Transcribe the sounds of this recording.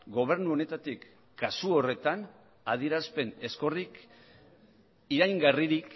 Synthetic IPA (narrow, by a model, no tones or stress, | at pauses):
ɡo̞β̞e̞ɾnuo̞ne̞t̪at̪ikː | asuore̞t̪an | að̞ie̞ɾaspe̞ne̞sko̞rik | iɾajŋɡariɾik